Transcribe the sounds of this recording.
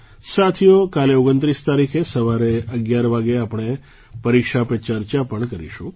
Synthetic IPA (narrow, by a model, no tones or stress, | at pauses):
sat̪ʰijokaleoɡənt̪ɾist̪aɾikʰesəʋaɾeəɡjaɾʋaɡeapɳ̃e | pəɾikʃapet͡ʃəɾt͡ʃapəɳkəɾḭʃũ